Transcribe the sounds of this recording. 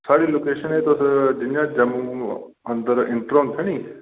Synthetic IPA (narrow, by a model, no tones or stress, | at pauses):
saːɽiloːkeːʃənɦet̪osd͡ʑɪɲãd͡ʑɐmu | ɐ̃nd̪əɾɪ̃ɳʈɾoːnt̪ʰəɽ̃iː